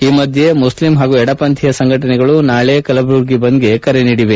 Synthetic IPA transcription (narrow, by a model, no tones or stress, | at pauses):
iːmɐd̪ʱje̞muslimɦaːɡuɛɽɐpɐnt̪ʰijɐsɐŋɡʱɐʈɐnɛɡɐɭunaːɭekɐlɐbɾuɾɡibɐnd̪ɡe̞kɐɾeniːɽiʋe̞